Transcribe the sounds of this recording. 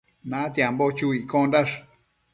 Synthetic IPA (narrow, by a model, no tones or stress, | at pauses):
nãt̪jãmbot͡ʃuikõndaʐ